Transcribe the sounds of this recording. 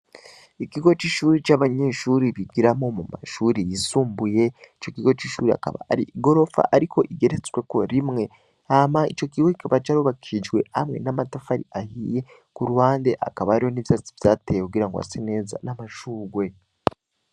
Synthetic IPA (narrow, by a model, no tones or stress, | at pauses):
ikiɡo̞t͡ʃiːʃuːɾit͡ʃaβaɲe̞ʃuɾiβiɡiɾamo̞muma̰ʃuɾijisuːmbuje̞it͡ʃo̞kiɡo̞t͡ʃiʃuːɾia̰ka̰βa̰aɾiʔiɡo̞ɾo̞fa̰ʔaɾikʰo̞ʔiɡe̞ɾet͡swe̞ko̞ɾimŋe̞ | amait͡ʃo̞kiɡwoi̥kaβat͡ʃaɾuːβakʰiid͡ʒɡwe̞̰a̰mŋe̞̰namatafaɾḭahije̞ | kuɾuhaːnde̞ʔa̰kaβaːɾiho̞niβjat͡sivjaːtejekuɡiɾaŋɡoa̰sine̞ːza̰namaʃuːɡwe̞